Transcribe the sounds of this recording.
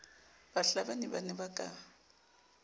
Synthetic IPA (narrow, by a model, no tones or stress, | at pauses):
b̥aɬabanibanɛbakʼa